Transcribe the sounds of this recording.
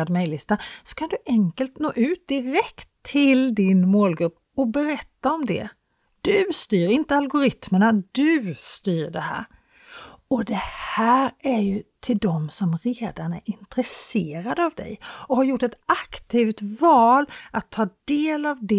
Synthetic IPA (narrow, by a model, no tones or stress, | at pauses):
ad̪mɛjlɪst̪asɔ̥kʰand̪ɵʔɛŋkəlt̪noːʔʉ̟ːt̪̚d̪ɪɾɛkt̪ʰːɪld̪ɪnmoːlɡɾɵpː | ɔbɛɾɛt̪ːaɔmd̪ɛ̰ | d̪̥ɵst̪yːɾɪnt̪əalɡʊɾɪt̪məɳad̪ɵst̪yːɾɖɛhæ̰ːɾ | ɔd̪ɛhæːɾæɾjɵt̪ʰɪld̪ɔmsɔmɾeːd̪aɳæ̰ɾɪnt̪ɾɛseːɾad̪avd̪ɛ̰jɔhaɾjʊʈːɛt̪akt̪ʰiːvt̪vɑːlat̪ʰːɑːd̪eːlavd̪ɛ